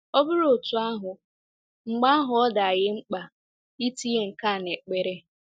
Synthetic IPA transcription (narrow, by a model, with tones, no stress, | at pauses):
ɔ˦bʊ˦ɾo˨tu˨a˦ɦʊ˨ | ŋ͡m̩˨ɡ͡ba˦a˦ɦʊ˨ɔ˦da˨a˨ɣɪ˦ŋ͡m̩˦k͡pa˨ | i˦ti˦e˨ŋ̩˨ka˦˨ne˨k͡pe˨ɾe˦